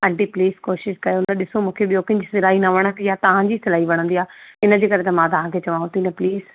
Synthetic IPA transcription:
ɐ̃ɳʈipliːskoːʃɪʃkɐɾjoʊnəɗɪsomũːkʰeɓijoːkəɪ̃ɲd͡ʑisɪlaːɦinɐʋəɽ̃əkjaːt̪ɐʋ̤ãɲd͡ʑisɪlaːiʋɐɽ̃ə̃nd̪iaːɪnəd͡ʑeːkɐɾet̪ɐmãːt̪ɐʋ̤ãkʰet͡ɕɐʋãɦʊ̃t̪inɐpliːz

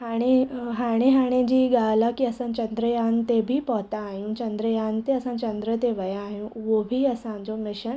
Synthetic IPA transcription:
ɦaɽ̃iɦaɽ̃eɦaɽ̃ẽd͡ʑiːɡalakiːəsə̃nt͡ɕənd̪ɾəjant̪ebʱiːpɔt̪ãːjũt͡ɕənd̪ɾəjant̪eəsãt͡ɕə̃nd̪ɾət̪eʋəjãːɦũʋobʱiːəsãd͡zomɪɕən

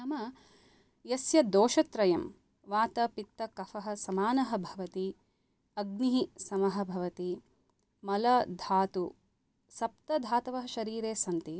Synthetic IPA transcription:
ɐmɐ | jɐsjɐd̪oːʃɐt̪ɾɐjɐm | ʋaːt̪ɐpit̪ːɐkɐfɐɦɐ̆sɐmaːnɐɦɐ̆bʱɐʋɐt̪i | ɐɡ̚niɦisɐmɐɦɐ̆bʱɐʋɐt̪i | mɐlɐd̪ʱaːt̪u | sɐp̚t̪ɐd̪ʱaːt̪ɐʋɐɦɐʃɐɾiːɾeːsɐnt̪i

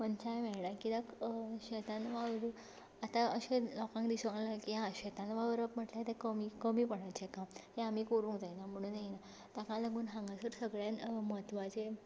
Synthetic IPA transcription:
mənt͡ɕajmɛɭɳakid̪akɕɛt̪ãnʋaʋɾu | at̪ãəɕẽlɔkãŋkd̪isəŋlakiãɕɛt̪ãnʋaʋəɾəpm̤əʈljat̪ɛ̃kəmikəmiːpəɽajt͡ɕekamhẽamiːkoɾũŋkd͡zajnam̤əɽ̃ũːnːajina | t̪akãləɡuːnɦãŋɡãsəɾsəɡɭjanmət̪ʋãt͡ɕe

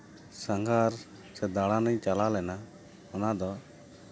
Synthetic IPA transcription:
səŋɡʱaɾ | sɛd̪aɽanəɲt͡ʃalalɛna | ɔnad̪ɔ

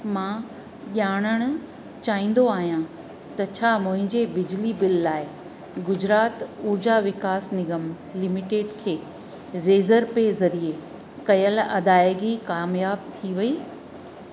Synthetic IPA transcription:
mã | ʄaːɽ̃əɽ̃ʊ | t͡ɕaːĩːn̆d̪oaːɦijã | t̪ɐt͡ɕʰaːmʊ̃ɦɪ̃ɲd͡ʑebɪd͡ʑlibɪlːaːɪ | ɡʊd͡ʑɾaːt̪uːɾd͡ʑaʋɪkaːsnɪɡəm | lɪmɪʈeːɖkʰeː | ɾeːzəɾpezɐɾie | kɐjəlɐd̪aːjɡikaːmjaːb̚t̪ʰiʋɐiː

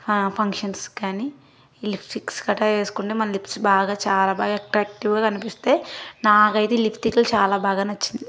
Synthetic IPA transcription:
pʰɐŋkʂɐnskaːni | lipʰʈikskɐʈaːe̞ːsu̥kuɳʈeːmɐnɐlipʰʈsbaːɡaːt͡ʃaːlaːbaːɡaɐkʈɾaːk̚ʈiʋɡaːkɐnipist̪e̞ːnaːkɐjt̪eːlipʰʈikɐlt͡ʃaːlaːbaːɡaːnɐt͡ʃːind̪i

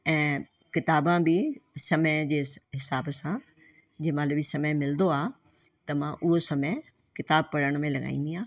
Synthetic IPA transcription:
ɛ̃ː | kɪt̪aːbãbɪsɐməd͡ʑeːɦɪsaːbsã | d͡ʑeːmãːlubisɐməjmɪld̪oaː | t̪ɐmãʔʊɦosɐmə | kɪt̪aːb̚pɐɽəɽ̃mẽlɐɠa̰ːĩːnd̪iãː

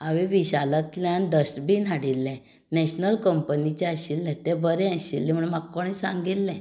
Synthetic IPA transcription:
aʋeʋiɕalat̪ljãnɖəsʈbʱiːn̤aɽilːɛ̃ | nɛɕnəlkəmpənit͡ɕɛaɕilːɛ̃t̪ɛ̃bəɾɛ̃aɕḭlːɛ̃m̤əɳmakkːoɽ̃esãŋɡilːɛ̃

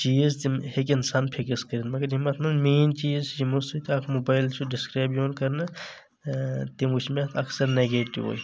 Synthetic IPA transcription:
t͡ʃiːzt̪imhekɪnsaːnpʰikiskɐɾinmɐɡɐɾɦimɐt̪ʰmɐnmeːnt͡ʃiːzd͡ʒimusut̪aːkʰmoːbaːjlt͡ʃʰuɖɪskɾaːbjoːnkɐɾnɐ | t̪imut͡ʃʰmet̪ʰɐksɐɾneɡeːʈiʋɦo̰ːj

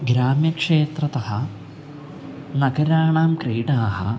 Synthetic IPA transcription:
ɡɾaːmjɐkʂeːt̪ɾɐt̪ɐhɐ | nɐɡɐɾaːɳaːmkɾiːʈaːhɐ̰

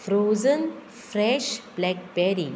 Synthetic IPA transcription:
fɾoːzən | fɾɛʃblɛk̚bɛɾi

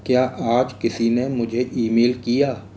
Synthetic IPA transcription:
kjaːʔaːd͡ʒkɪsinemʊd͡ʒʱeʔiːmeːlkijaː

